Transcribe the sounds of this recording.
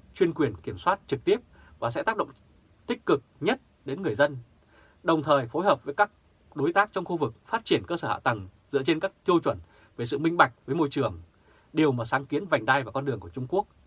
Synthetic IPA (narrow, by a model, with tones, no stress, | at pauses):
t͡ɕwi˧ənkwi˨˩ənki˧˩əmswaː˦˥t̚t͡ɕɨ˨˩k̚t̪i˦˥əp̚ | vaː˨˩s̬ɛ̰˧˥t̪aː˦˥k̚ɗə̰˧˨ŋ͡m | t̪ï˦˥k̟̚kɨ˨˩k̚ɲə˦˥t̚ | ɗe˨˦nŋɨ˨˩əjzə˧n | ɗə˨˩wŋ͡mt̪ʰəː˨˩jfo˨˦jɦəː˨˩p̚vəː˨˦jkaː˦˥k̚ | ɗo˨˦jt̪aː˦˥k̚t͡ɕɔ˧wŋ͡mxu˧vɨ˨˩k̚faː˦˥t̚t͡ɕi˧˩ənkəː˧səː˧˩ha̰ː˧˨t̪ə˨˩ŋ | zɨ̰˧˥ət͡ɕe˧nkaː˦˥k̚t̪i˧əwt͡ɕwə˧˩n | veː˨˦jsɨ̰˧˨mï˧ŋ̟ɓa˨˩jk̟̚vəː˨˦jmo˧jt͡ɕɨ˨˩əŋ | ɗi˨˩əwmaː˨˩saː˨˦ŋki˨˦ənva˨˩jŋ̟ɗ̪a˧jvaː˨˩kɔ˧nɗɨ˨˩əŋku˧˩t͡ɕʊ˧ŋ͡mku˦˥ək̚